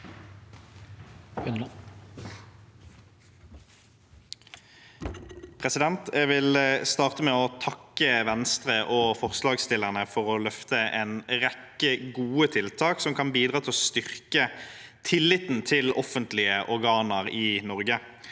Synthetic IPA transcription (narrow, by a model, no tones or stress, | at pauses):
pʰʁɛsɪd̪ɛnt̪ɛɡʋɪlst̪ɑːʁt̪əmɛːɔt̪ʰɑkːəʋɛnst̪ʁəʔoːfɔʁslɑːɡst̪ɪlːəʁnəfɔʁɔlœft̪əʔɛnʁɛkːəɡuːət̪ʰɪlt̪ʰɑːksɔmkʰɑnbiːd̪ʁɑːt̪ʰɪlɔst̪ʏʁkət̪ʰɪlːɪt̪n̩t̪ʰɪlɔfənt̪lɪəʔɔʁɡɑːnəʁiːnɔʁɡə